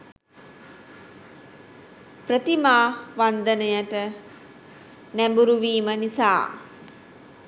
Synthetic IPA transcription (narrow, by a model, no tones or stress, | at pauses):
prət̪imaːʋand̪ənəjəʈə | næmbuɾuʋiːmənisa̰ː